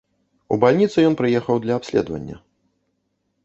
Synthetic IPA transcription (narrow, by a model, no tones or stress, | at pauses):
ṵbalʲnʲit̪sɨjɔnpɾɨjɛxɐwd̪lʲɐapsʲlʲɛ̰d̪vɐ̰nʲːɐ̰